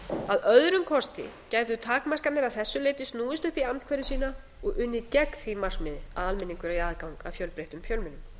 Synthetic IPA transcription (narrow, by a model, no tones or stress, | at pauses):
aðœðɾʏmkʰɔst̪ɪ̰cajt̪̬ʏt̪ʰaːkmar̥kat̪nɪɾaðθɛsːʏlejt̪ɪst̪nuːðɪst̪ʏhpiant̪kʰvɛːɾʏsiːna | ɔɣʏnːɪcɛkθimar̥smɪðɪaðalmɪnːiŋkʏɾaiaːðkawŋka̰fjœwlpɾejht̪ʏmfjœlmɪnʏm